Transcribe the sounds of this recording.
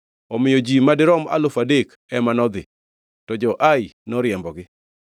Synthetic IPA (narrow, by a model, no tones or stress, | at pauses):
ɔmɪjɔd͡ʒimadɪɾɔma̰lofadek | ɛmanɔd̪ɪ̰ | tɔd͡ʒɔʔainɔɾɪɛmbɔɡɪ